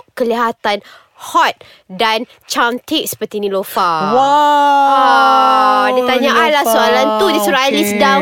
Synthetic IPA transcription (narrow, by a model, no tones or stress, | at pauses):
kəliɦat̪an | hɔt̪̚ | dan | t͡ʃant̪ik̚sə̥pərt̪inĩlofawa | dit̪aɲaʔanlahsoalant̪udisuɾalisda